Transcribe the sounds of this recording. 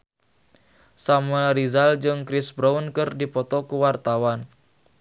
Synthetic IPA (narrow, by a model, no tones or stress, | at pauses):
samɾizald͡ʒɨŋkɾisbɾaunkɨrdipɔt̪ɔkuwart̪awan